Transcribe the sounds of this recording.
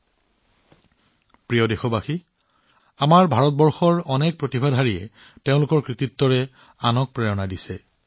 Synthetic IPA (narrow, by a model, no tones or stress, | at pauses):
pɹijɔdexɔbaxi | amaɹbʱaɹɔt̚bɔɹxɔɹɔnɛk̚pɹotibʱadʱɦaɹijɛ | teʊ̃lʊkɔɹkɹititːɔɹɛ | anɔk̚pɹɛɹɔnadisɛ